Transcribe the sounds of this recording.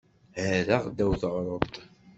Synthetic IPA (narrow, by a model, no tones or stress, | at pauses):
hæɾæʁd̪æwθʕɾˤəðt̪ˤ